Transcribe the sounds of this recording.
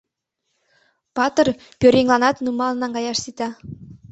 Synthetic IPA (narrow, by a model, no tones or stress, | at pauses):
pɑt̪ɤ̆r | pʲøɾʲeŋlˠɑnɑt̪numɑlˠɤnɑŋɡɑjɑʃsit̪ɑ